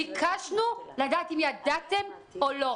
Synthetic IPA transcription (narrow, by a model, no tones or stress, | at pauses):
ikʰaʃnulad̪aʔːt̪imjad̪at̪e̞m | olo